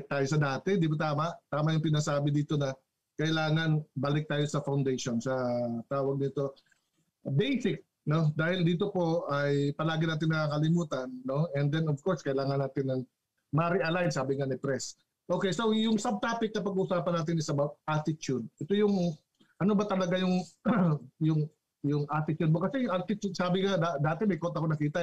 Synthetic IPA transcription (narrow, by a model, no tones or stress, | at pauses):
k̚t̪aːjosɐd̪aːt̪ɛd̪ibɐt̪aːmɐʔt̪aːmɐʔjʊŋpɪnɐsaːbɪd̪iːt̪o̞nɐ | kɐʔɪlaːŋɐnbaːlɪk̚t̪aːjo̞sɐfɐwnd̪ejʃonsɐt̪aːwɐɡ̚nɪt̪o̞ | bɛjsɪk̚ | no̞d̪aːhɪld̪iːt̪̬o̞po̞ɐjpɐlaːɡɪnaːt̪ɪnːɐakɐlɪmuːt̪ɐnːo̞ɛnd̪ɛnovko̞ɹskɐʔlaːŋɐnːaːt̪ɪnːɐŋ | maːɾɪʔɐlajnsaːbɪŋanɪpɾɛs | ʔo̞ːkɛjso̞jʊŋsɐb̚t̪aːpɪk̚nɐpɐɡuʔʊsaːpɐnaːt̪ɪnɪsɐbap̚ʔat̪ɪt͡ʃʊd̪̚ʔɛt̪o̞jʊŋ | ʔɐno̞bɐt̪ɐlɐɡajʊŋ | jʊŋ | jʊŋʔat̪ɪt͡ʃud̪̚mokɐsɛjʔat̪ɪt͡ʃud̪̚saːbɪŋad̪ad̪aːt̪ɛmɐjkont̪ɐpʊnɐkiːt̪ɐ